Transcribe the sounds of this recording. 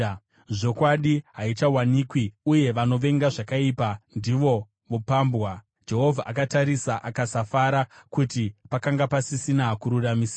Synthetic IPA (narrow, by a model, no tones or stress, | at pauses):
ʐo̞kwaɗiɦait͡ʃawanikwiuje̞ʋano̞ʋe̞ŋɡaʐakaipandiʋo̞ | ʋopaːmbɣwa | d͡ʒe̞ɦo̞vʱaʔakataɾisaʔakasafaɾakutipakaŋɡapasisinakuɾuramiːsa